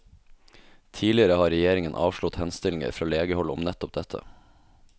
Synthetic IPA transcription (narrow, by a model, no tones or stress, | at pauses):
t̪ʰiːlɪəɾəhɑːɾɛjeːɾɪŋənʔɑ̰ːʋʃɭʊt̪hɛnst̪ɪlɪŋə̰ɾfɾɑːleːɡəhɔlʊ̰mnɛt̪ɔp̚d̪ɛt̪ʰə̰